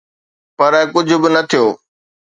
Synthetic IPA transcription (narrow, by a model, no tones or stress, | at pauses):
pɐɾɛkʊd͡ʑʱʊ̆bɪnɐt̪ʰijoː